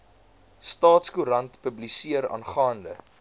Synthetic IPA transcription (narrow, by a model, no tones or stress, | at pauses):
stɑːtskuɾɐntpəblisiəɾɑ̰ːnχɑːndə̰